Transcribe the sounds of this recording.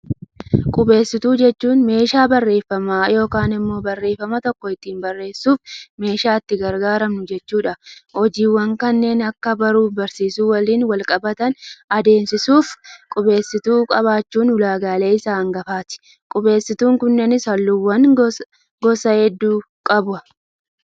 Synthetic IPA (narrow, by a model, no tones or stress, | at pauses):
kʼʊbe̞ːsːɪt̪uːd͡ʒɛt͡ʃːuːnme̞ːʃaːbɐrːe̞ːfːɐmaːjo̞ːkaːnɪmːo̞ːbɐrːe̞ːfːɐmɐt̪ɔkːɔɪt̪ːiːnbɐrːe̞ːsːuːfme̞ːʃaːɪt̪ːɪɡɐɾɡaːɾɐmnʊd͡ʒɛt͡ʃːuːᶑɐhɔd͡ʒiːwɐŋkɐnːe̞ːnɐkːɐbɐɾuːfbɐɾsiːsuːwɐliːnwɐlkʼɐbɐt̪ɐnɐd̪e̞ːmsɪsuːfkʼʊbe̞ːsːɪt̪uːkʼɐβaːt͡ʃːuːnhʊlaːɡaːle̞ːɪsaːɐŋɡɐfaːt̪ɪ̥ | kʼʊbe̞ːsːɪt̪uːŋkʊnːɛnɪsɐlːʊwːɐŋ | ɡɔsɐhɛd̪ːuː | kʼɐbʊɐ